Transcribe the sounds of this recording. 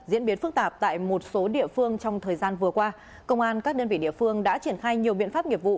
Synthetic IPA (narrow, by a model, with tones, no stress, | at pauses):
zḭ˧˥nɓi˨˦nfɨ˦˥k̚t̪aː˨˩p̚t̪a̰ː˧˨jmo˨˩t̚so˨˦ɗḭ˧˨əfɨ˧əŋt͡ɕɔ˧wŋ͡mt̪ʰəː˨˩jzaː˧nvɨ˨˩əkwaː˧ | kə˧wŋ͡mʔaː˧nkaː˦˥k̚ɗə˧nvḭ˧˨ɗḭ˧˨əfɨ˧əŋɗa̰ː˧˥t͡ɕi˧˩ənxaː˧jɲi˨˩əwɓḭ˧˨ənfaː˦˥p̚ŋi˨˩əp̚vṵ˧˨